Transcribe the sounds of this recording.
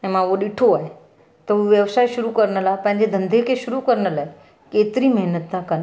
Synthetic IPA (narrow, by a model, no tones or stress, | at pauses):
ẽmãʋoɗiʈʰoaje | t̪əʋjəʋsajʃuɾukəɾɳalapãɲd͡ʑed̪ʱənd̪ʱekeʃuɾukəɾɳalae | ket̪ɾiməɦnət̪ːakən